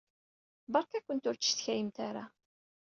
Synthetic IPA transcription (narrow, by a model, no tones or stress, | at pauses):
bɑɾkækʷːənt̪ʊɾt͡sːə̥θçæjəmt̪aɾa